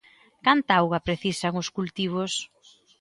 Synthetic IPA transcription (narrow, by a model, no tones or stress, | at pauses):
kant̪awɣɐpɾeθisaŋʊskult̪iβ̞os